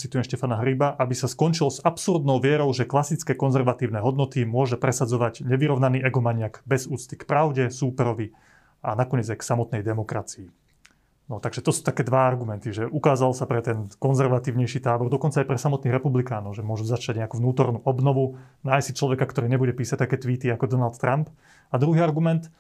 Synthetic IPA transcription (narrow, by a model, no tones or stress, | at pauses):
t͡sit̪ujɛmʃcɛfanaɦɾibaʔabisaskɔnt͡ʃilzapsuɾd̪nɔʊʋɪɛɾɔʊʒɛklasit͡skɛkɔnzɛɾʋat̪iːʊnɛːɦɔd̪nɔt̪imʊɔʒɛpɾɛsad͡zɔʋaɟɲɛʋiɾɔʊnaniːʔɛɡɔmaɲɪaɡbɛzuːt͡st̪i̥kpɾaʊɟɛsuːpɛɾɔʋi | anakɔɲɛd͡zajksamɔt̪̚nɛjd̪ɛmɔkɾat͡sii | nɔt̪aɡʒɛt̪ɔsu̥ːt̪akɛːd̪ʋaaɾɡumɛnt̪iʒɛʔukaːzalsapɾɛt̪ɛnkɔnzɛɾʋat̪iːʊɲɛjʃit̪aːbɔɾd̪ɔkɔnt͡sajpɾɛsamɔt̪niːɣɾɛpublikaːnɔʊʒɛmʊɔʒuzat͡ʃaɟɲɛakuːʋnuːt̪ɔɾnuːʔɔbnɔʋunaːjsit͡ʃlɔʋɛkakt̪ɔɾiːɲɛbuɟɛpiːsac̚t̪akɛːt̪ʋiːt̪iakɔd̪ɔnalt̪t̪ːɾʔamp | ad̪ɾuɦiːaɾɡumɛnt̪